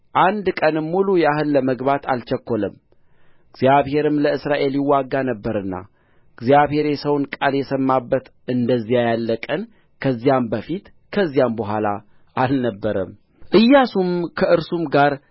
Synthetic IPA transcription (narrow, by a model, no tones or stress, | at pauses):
ʔand̪kʼənɨmːulujɛahɨlːəməɡβat̪a̰lt͡ʃɛkːo̞ləm | ɡzijaβhe̞ɾɨmləɨsɾaʔe̞ljɪwːaɡːanəbːəɾɨnːa̰ | ɡzijaβhe̞ɾjɛsəwnkʼaljɛsəmːabːət̪ʔɨnd̪əzːijajalːəkʼən | kʰəzːijambəfit̪ | kʰəzːijambəɦʷala | ʔalnəbːəɾə̰m | ʔɨjːasumkʰəʔɨɾsumɡaɾ